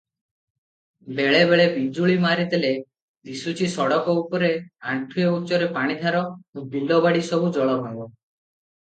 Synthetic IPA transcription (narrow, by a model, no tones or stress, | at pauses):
beɭebeɭebid͡ʒuɭimaɾid̪ele | d̪isut͡ʃʰisɔɽɔkɔupɔɾeaɳʈʰueut͡ʃɔɾepaɽ̃id̪ʱaɾɔobilːɔbaɽisɔbud͡ʒɔɭɔɦabɔ